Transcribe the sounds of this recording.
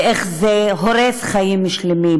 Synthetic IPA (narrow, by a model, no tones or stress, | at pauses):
ʔeχzeɦoɾesχajimːuʃlemim